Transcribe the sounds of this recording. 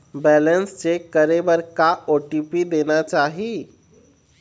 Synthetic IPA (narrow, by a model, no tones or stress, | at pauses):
bɛːlənst͡ʃekəɾebəɾkaʔoʈipid̪eːnat͡ʃaːɦi